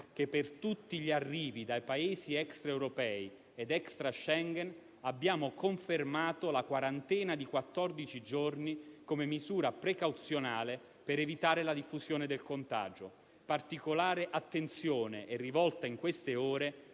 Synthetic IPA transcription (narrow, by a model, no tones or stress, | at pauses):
k̟epːert̪ut̪ːiʎiarːiːvid̪ajpaeːziɛkst̪ɾaewɾopɛːi | ed̪ɛkst̪ɾaʃɛŋɡɛn | abːjaːmokoɱfermaːt̪olakwaɾant̪ɛːnad̪ikwat̪ːɔrd̪it͡ʃid͡ʒornikomemizuːɾapɾekawt̪sjonaːle | peɾevit̪aːɾelad̪ifːuzjoːned̪elkont̪a̰ːd͡ʒo | part̪ikolaːɾeʔat̪ːent̪sjoːneʔɛrːivɔlt̪aiŋkwest̪eoːɾe